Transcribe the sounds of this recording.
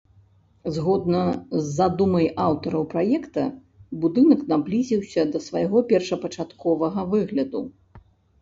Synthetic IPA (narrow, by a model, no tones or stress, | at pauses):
zɣɔd̪̚nɐzːad̪umɐjʔawt̪ɐɾɐwpɾajɛkt̪ɐ | bud̪ɨnɐknablʲizʲiwsʲɐd̪ɐsvajɣɔpʲɛrʂɐpɐt͡ʂat̪kʰɔvɐɣɐvɨɣlʲɐd̪u